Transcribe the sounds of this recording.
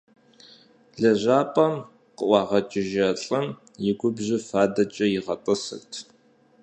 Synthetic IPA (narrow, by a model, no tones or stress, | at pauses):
ɮɐʒʷaːpʼɐm | qəʔʷɑːʁɐt͡ʃʼɪʒɐɬʼɐm | jɪɡʷʊbʑɪfaːdɐt͡ʃʼɐjɪʁɐtʼɨsɨ̰rtʰ